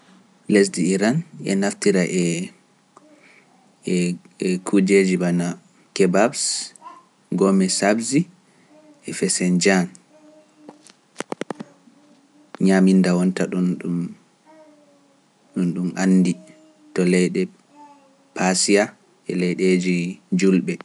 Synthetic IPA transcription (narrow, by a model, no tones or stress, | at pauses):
les̬diiɾanɛ̰naftiɾaʔɛ | ɛkʰud͡ʒed͡ʒibana | kɛbabs | ɡɔmɛsabzi | ɛfɛsɛnd͡ʒan | ɲamindawɔntaɗunɗum | ɗunɗumʔanːdi | tɔlɛjɗɛ | pasia | ɛ̰lɛjɗed͡ʒid͡ʒulɓɛ